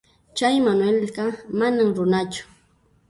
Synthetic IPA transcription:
t͡ʃajmanwelɢɑmanamɾʊnat͡ʃʊ̥

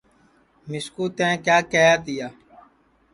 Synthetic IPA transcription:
mɪskuːt̪ɛ̃ːkjaːkeːjaːt̪ɪjaː

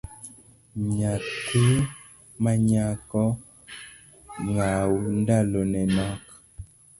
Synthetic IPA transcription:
ɲatʰe | maɲakɔ | ŋawundalonɛnɔk

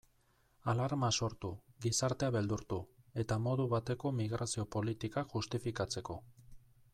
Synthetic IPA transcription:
alaɾmaso̞ɾt̪uɡisaɾt̪e̞aβe̞ld̪uɾt̪ue̞t̪amo̞ðuβat̪e̞ko̞miɣɾasio̞po̞lit̪ikaxust̪ifikat͡se̞ko̞

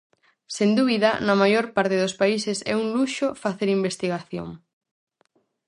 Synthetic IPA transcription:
send̪uβiðɐnɐmajoɾpaɾt̪ɪðospaisesɛ̰uŋluʃofaθeɾimbest̪iɣaθjo̰ŋ

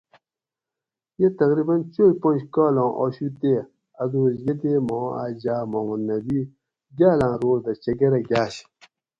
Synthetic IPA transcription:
jet̪ɐkɾibɐnt͡ɕojpõnd͡ʑkaːlõːʔoːɕut̪e | ɐd̪oːzjed̪emõːa̰ːd͡ʑaːmõmɐnːɐbi | ɡʲaːlãːɾoːzd̪ɐt͡ɕɐɡɐɾɐɡʲaːɕ

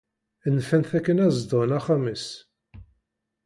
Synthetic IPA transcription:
nːfænθækːənæzd̪onæχæməs

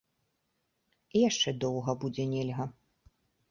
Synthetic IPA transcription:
ijaʂt͡ʂɛd̪ɔwɣɐbud͡zʲɛnʲelʲɣɐ

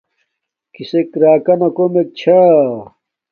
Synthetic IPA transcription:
kisekɾaːkɐnɐkomek̚t͡ɕʰa

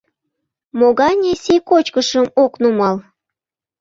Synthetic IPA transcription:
moɣɑnʲesikot͡ɕkəʃəmoknumɑl

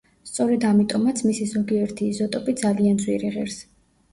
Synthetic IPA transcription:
st̪sʼɔɾɛd̪amit̪ʼɔmat̪sʰmisizɔɡiɛɾt̪ʰiːzɔt̪ʼɔpʼid̪zalianzwiɾiʁɛɾs

